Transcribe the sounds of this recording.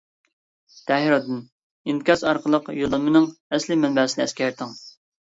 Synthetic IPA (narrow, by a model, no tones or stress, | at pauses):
t̪ʰɛɦiɾɑd̪ɨn | inkʲɑsɑɾqʰəlˠəqjolˠɨmɨnɨŋɛslɪmɛnbɛːsɪnɨɛskʲʰɛɾt̪ʰɪŋ